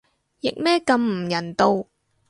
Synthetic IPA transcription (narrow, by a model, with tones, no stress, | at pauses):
jɪ˨k̚mɛː˥kɐ˧mm̩˨˩jɐ˨˩nt̪o˧w